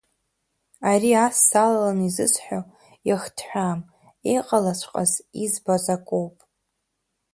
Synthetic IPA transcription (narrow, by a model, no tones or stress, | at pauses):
aɾiasːalalanizɨ̰sħʷᶣo | aχtʰħʷᶣaːm | ejqʼalat͡ɕʷʰqʼa̰zizbazakʷʼowpʼ